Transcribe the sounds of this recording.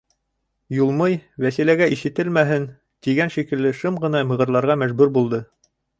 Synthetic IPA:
julˠmɤjwæsilæɡæʔiʃɘ̆t̪ɘlmæɦɘn | t̪iɡænʃikɘ̆lːɘʃɤmʁɤ̆nɑmɤ̆ʁɤ̆ɾlˠɑɾʁɑmæʒbʉɾbulˠd̪ɤ

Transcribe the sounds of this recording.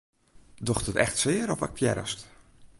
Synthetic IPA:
dɔxtətɛ̰xtsɪːəɾɔfɛ̰k̚pjɛ̰ɾə̰st

